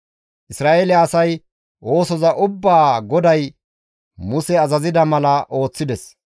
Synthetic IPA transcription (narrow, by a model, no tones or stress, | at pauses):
ʔɪsɾaːʔelɪɐsɐj | o̞ːsɔzɐʔʊbːaːɡɔd̪ɐj | mʊsɛɐzɐzɪd̪ɐmɐlɐʔo̞ːt͡sːɪd̪ɛs